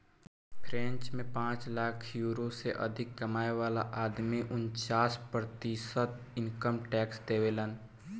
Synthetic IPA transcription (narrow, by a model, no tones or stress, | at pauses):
pʰɾɛ̃nt͡ʃmẽpãːt͡ʃlaːkʰjuːɾoseʔə̰d̪ʱɪkːəmaːeʋaːla̰ʔaːd̪miʔʊnt͡ʃaːspɾət̪isət̪̚ | ɪnkəmʈɛːksd̪eːwelən